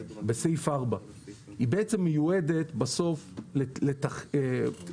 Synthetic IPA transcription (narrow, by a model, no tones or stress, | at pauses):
besejfaʁba | ibeʔet͡semːejued̪e̞t̪baso̞flelet̪aχe